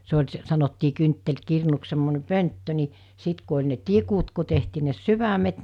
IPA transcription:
se olʲ s sɑnotːiː kyntːelkirnuks semːone pøntːø ni sit ku olʲ ne tikut ku tehtiː ne syʋæmet

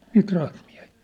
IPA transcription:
niːt rɑhtmiæ̝hi̥ː

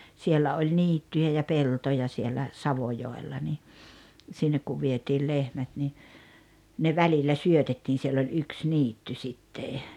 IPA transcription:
sielːæ olʲ niːtːyjæ jɑ peltojɑ sielːæ sɑʋojoelːɑ ni sinːek ku ʋietiːl lehmæt ni ne ʋælilːæ syøtetːiːn̞ sielː olʲ yks niːtːy sitːe

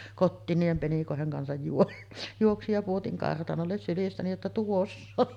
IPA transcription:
kotːiːn niːhem penikoˑeheŋ kɑnsɑj juo juoksij jɑ puotiŋ kɑrtɑnolːes sylistæni jotːɑ tuosː oŋ

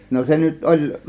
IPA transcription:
no se nyt ʔolʲ

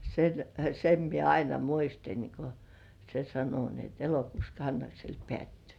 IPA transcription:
sen sem mie ɑinɑ muistin ko se sɑno ni et elokuːs kɑnːɑksel pĕæˑtːyː

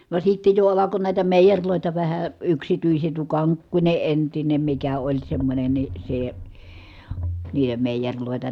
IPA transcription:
ʋɑˑe sitːe jo ɑlɑko næˑi̯tæ meˑijerʲloˑitɑ ʋæhæ yksityiset tuo kɑŋkːunʲe entinem mikæ olʲ semːonʲen ni se niːhe meˑijerʲloˑetɑ

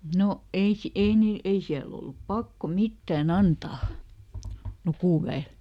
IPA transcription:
no ei si ei niːl ei siæl olːup pɑkːo mitːæˑn ɑntɑː lukuˑʋæel

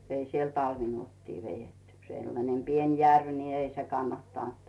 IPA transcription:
ei siel tɑlʋinuotːiː ʋejetːy selːɑnem pien jærʋ ni ei se kɑnːɑtːɑˑnt

